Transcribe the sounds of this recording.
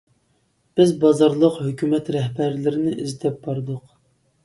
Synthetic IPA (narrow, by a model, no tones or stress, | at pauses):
b̥ɪzbɑzɑɾlˠəqhøkʲymɛt̪ɾɛhbæɾlɪɾɪnɪʔizɪt̪ʰɛp̚bɑɾd̪ʊq